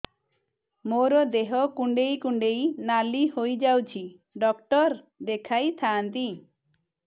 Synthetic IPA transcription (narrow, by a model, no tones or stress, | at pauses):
moɾɔd̪eɦɔkuɳɖejkuɳɖejnalihojd͡ʒawt͡ʃʰi | ɖɔk̚ʈɔɾ | d̪ekʰajt̪ʰaːnt̪i